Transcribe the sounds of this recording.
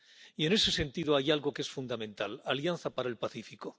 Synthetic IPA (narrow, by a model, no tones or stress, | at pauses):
ie̞ne̞se̞se̞nt̪iðoajalɣo̞keesfund̪amẽ̞nt̪alaljanθapaɾaelpaθifiko